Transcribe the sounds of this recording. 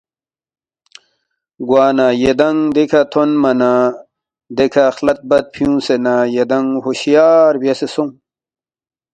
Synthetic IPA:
ɡwaːnajed̪ɐŋd̪ekʰat̪ʰonmɐna | d̪ekʰaxlɐt̪̚bɐt̪̚pʰijũːsenaːjed̪ɐŋɦoɕjaːɾbjɐsesõŋ

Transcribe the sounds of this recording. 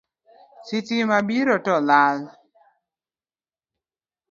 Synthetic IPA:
sitimabiɾɔtɔlal

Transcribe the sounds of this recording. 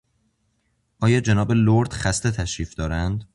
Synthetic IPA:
ʔɒːjɒːd͡ʒenɒːbe̞loɾd̪χæst̪e̞t̪ʰæʃɾiːfd̪ɒːɾænd̪

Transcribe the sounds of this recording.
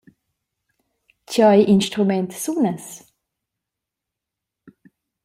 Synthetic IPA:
tʰɑɪʔɪnst̪ʁʉmɛnt̪suːnəs

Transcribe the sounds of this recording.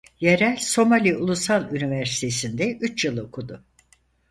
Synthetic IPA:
jeɾælʲso̞malʲiulˠusalˠynivæɾsi̥t̪ʰe̞sind̪ɛʔyt͡ʃjɯlˠokʰud̪ʊ

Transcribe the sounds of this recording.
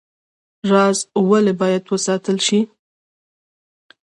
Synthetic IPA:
ɾɑzwalebɑjad̪wəsɑt̪əlʃi

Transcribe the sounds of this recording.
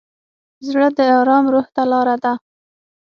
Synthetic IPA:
zɽəd̪əɑɾɑmɾoht̪alɑɾad̪a

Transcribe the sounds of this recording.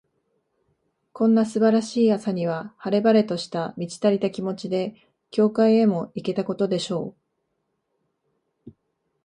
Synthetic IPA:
kõ̞nːasɨbaɾaɕiːasaɲ̟iβ̞ahaɾe̞baɾe̞t̪o̞ɕi̥t̪amʲit͡ɕi̥t̪aɾʲit̪akʲimo̞t͡ɕid̪e̞ | kʲo̞ːkaie̞mo̞ike̞t̪ako̞t̪o̞d̪e̞ɕo̞ː

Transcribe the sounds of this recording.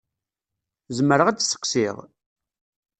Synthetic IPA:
zəməɾəʁæd̪sə̥qsiʁ

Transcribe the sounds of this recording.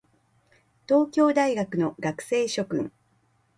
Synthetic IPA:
t̪o̞ːkʲo̞ːd̪aiɡakɯ̟no̞ɡakɯ̟̥se̞ːɕo̞kɯ̟̰̃ŋ

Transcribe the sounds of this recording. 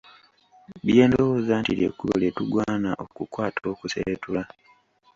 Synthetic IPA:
βje̞ːndo̞wo̞ːzantiɾjḛkuβo̰letuɡwaːnaʔokukwaːtʰo̞ːkusetula

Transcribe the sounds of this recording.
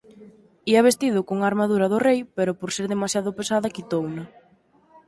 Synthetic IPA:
iɐβ̞est̪iðʊkoŋaɾmaðuɾɐðʊrejpeɾʊpoɾseɾðemasjaðʊpesaðɐkit̪ownɐ

